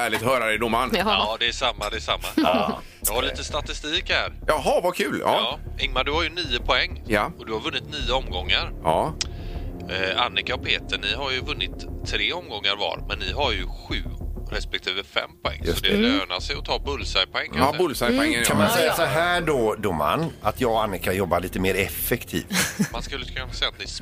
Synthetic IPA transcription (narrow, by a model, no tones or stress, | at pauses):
æːɭɪt̪hœːɾad̪ɛd̪ɔmanːd̪ɛːʂamːad̪ɛːʂamːa | jɑhaɾɭiːt̪əst̪at̪ɪst̪iːkhæːɾjɑɦɑvakʰʉ̟ːlɑ̰ɑːɪŋmaɖɵhaɾjɵniːəpʰɔɛŋːjɔd̪ɵhaɾvɵnːɪt̪niːəɔmɡɔŋːaɾɑ | anːɪkaɔpʰeːt̪əɳɪɦaɾjɵvɵnːɪt̪ʰːɾeːɔmɡɔŋːaɾvɑ̰ːɾmɛnːɪɦaɾjɵɧʉ̟ːɾɛspɛk̚t̪ʰiːvəfɛ̰mːpʰɔɛ̰ŋːjssɔtd̪ɛløːnasɛjɔt̪ʰɑːbɵlːsajpʰɔɛŋkʰabʊlsajɔɛkʰanmansɛjːasɔɦæːɖɔd̪ʊma̰nːat̪jɑːɡanːɪkajɔbːaɭiːt̪əmeːɾɛfːɛkt̪ʰḭːvmanskɵlːkʰɵnasɛjːat̪nɪs